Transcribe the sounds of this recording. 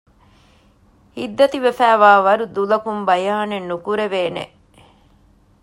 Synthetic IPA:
hid̪ːɐt̪iʋefæːʋaːʋɐɾud̪ulɐkumbɐjaːnenːukuɾeʋeːnḛ

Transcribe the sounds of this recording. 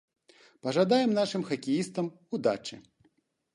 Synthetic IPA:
pɐʐad̪ajɛmnaʂɨmxɐkʲijist̪ɐm | ud̪at͡ʂɨ̰

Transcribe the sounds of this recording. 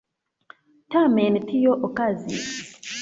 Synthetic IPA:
tamɛnitʰijoʔokazḭ

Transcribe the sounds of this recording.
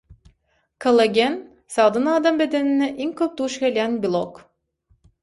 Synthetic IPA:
kʰɐlˠɐɡʲen | sɑd̪ɯnɑːd̪ɑmbed̪eninɛʔiŋkøp̚t̪uʃkʲelʲɡʲænbʲilˠok

